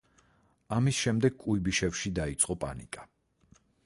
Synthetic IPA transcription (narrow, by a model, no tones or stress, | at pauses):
amisʃɛmd̪ɛɡ̚kʼuibiʃɛfʃid̪ait̪sʼqʼɔpʼa̰nḭkʼa